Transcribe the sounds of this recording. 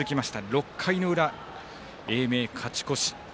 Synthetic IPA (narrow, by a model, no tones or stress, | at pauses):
ɨkʲimaɕi̥t̪aɾo̞kʰːaino̞ɯ̟ɾa | e̞ːme̞ːkʰat͡ɕi̥ko̞ɕi̥